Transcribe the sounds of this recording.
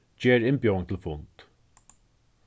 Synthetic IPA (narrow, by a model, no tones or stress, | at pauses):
d͡ʒeːɾɪnbjoŋt̪ʰɪlfʊnt̪